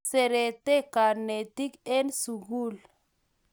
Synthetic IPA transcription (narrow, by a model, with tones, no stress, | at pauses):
se˨ɾe˨t̪e˦ka˨ne˨ti˦kɛ˦nsu˨ɣu˦˨l